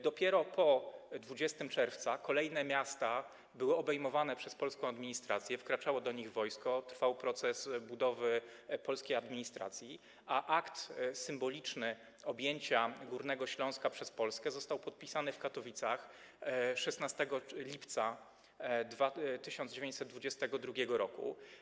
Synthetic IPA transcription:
d̪ɔpʲjɛɾɔpʰɔd̪vud͡ʑɛst̪ɘmt͡ʂɛɾft̪sakɔlɛjnɛmʲjast̪a | bɘwɘɔbɛjmɔvanɛpʂɛspɔlskɔ̃w̃ad̪mʲiɲist̪ɾat̪sʲjɛfkɾat͡ʂawɔd̪ɔɲiɣvɔjskɔt̪ɾfawpɾɔt̪sɛsbud̪ɔvɘpɔlskʲejad̪mʲiɲist̪ɾa̰t̪sʲji | ʔaʔakt̪sɘmbɔlʲit͡ʂnɘ | ɔbʲjeɲt͡ɕaɡuɾnɛɡɔɕlɔ̃w̃skapʂɛspɔlskɛzɔst̪awpɔt̪̚pʲisanɘfkat̪ɔvʲit̪sax | ʂɛsnast̪ɛɡɔlʲipt̪sa | d̪vat̪ɘɕɔnd͡ʑevjẽɲt͡ɕʲsɛt̪d̪vud͡ʑɛst̪ɛɡɔd̪ɾuɡʲɛɡɔɾɔkṵ

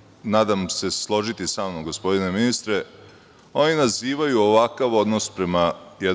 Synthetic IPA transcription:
naːd̪amse̞slˠo̞ʒit̪isaːmnoɡo̞spo̞d̪ine̞minist̪ɾe̞ | o̞ninaziːʋajuoʋakaʋo̞d̪nospɾe̞majed̪

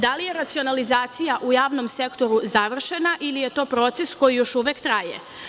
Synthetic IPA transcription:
d̪alije̞ɾat̪sio̞nalizaːt̪sijaʔujaːʋno̞mse̞kt̪o̞ɾuzaʋr̩ʃe̞naʔilije̞t̪o̞ːpɾo̞t̪se̞sko̞jijo̞ʃuʋekt̪ɾajḛ

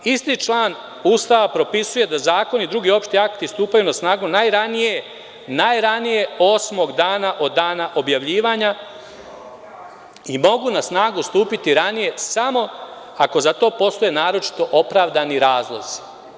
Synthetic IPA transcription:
ist̪it͡ʃlˠaːn | uːst̪aʋapɾo̞pisuje̞d̪azaːko̞nid̪ɾuɡio̞pʃt̪iakt̪ist̪uːpajunasnaːɡunajɾanije̞ | najɾanije̞o̞ːsmo̞ɡd̪aːnaʔo̞d̪ːaːnaʔo̞bjaʋʎiːʋaɲa | imo̞ɡunasnaːɡust̪uːpit̪iɾanije̞samo̞ | ako̞zat̪o̞ːpo̞st̪o̞jenaːɾo̞t͡ʃi̥t̪o̞ʔo̞pɾaːʋd̪aniɾaːzlˠo̞z̥i̥

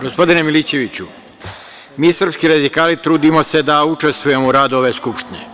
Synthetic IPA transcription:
ɡo̞spo̞d̪inemilit͡ɕe̞ʋit͡ɕu | miːsr̩pskiɾad̪ikaːlit̪ɾuːd̪imo̞se̞d̪aut͡ʂe̞st̪ʋuje̞mouɾad̪o̞ʋe̞skupʃt̪inḛ

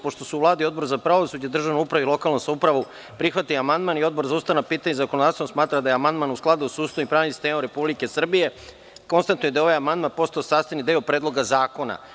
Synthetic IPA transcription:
poʃt̪o̞suuvlˠaːd̪io̞d̪bo̞ɾzapɾaʋo̞sud͡ʑed̪r̩ʒaʋnoupɾaʋeilo̞kalˠnosaupɾaʋu | pɾixʋat̪ijoamand̪manio̞d̪bo̞ɾzaust̪anapiːt̪aɲezakonod̪aːt̪sosmaːt̪ɾad̪ajamand̪manusklˠad̪usuːst̪aipɾaːʋnisi̥st̪eːmoɾe̞publike̞sr̩bije̞ | ko̞nst̪ant̪nuje̞d̪ao̞ʋajamand̪manpo̞st̪aosaːst̪enid̪eopɾeːd̪lˠo̞ɡazaːko̞na̰

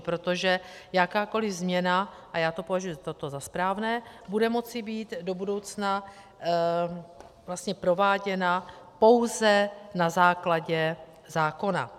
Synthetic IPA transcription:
pɾo̞t̪o̞ʒɛjakaːkolɪvzmɲɛna | ʔajaːt̪o̞po̞vaʒujuzat̪ot̪o̞zaspɾaːvnɛː | budɛmo̞t͡sɪbiːt̪do̞budo̞wt͡sna | vlast̪ɲɛpɾo̞vaːɟɛna | po̞wzɛnazaːklaɟɛ | zaːko̞na̰

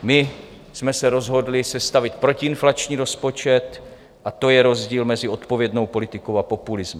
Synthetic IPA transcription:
mɪ | smɛsɛɾo̞zɦo̞dlɪsɛst̪avɪt̪pɾo̞cɪɪnflat͡ʃɲiːɾo̞spo̞t͡ʃɛt̪ | ʔat̪o̞jɛɾo̞zɟiːlmɛzɪo̞t̪po̞vjɛdno̞wpo̞lɪt̪ɪko̞wapopulɪzmɪ

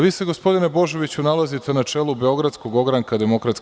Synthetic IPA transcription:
ʋiːse̞ɡo̞spo̞d̪inebo̞ʒo̞ʋit͡ɕunalˠazit̪e̞nat͡ʂe̞ːlˠubeo̞ɡɾat̪sko̞ɡo̞ɡɾaŋkad̪e̞mo̞kɾat̪s

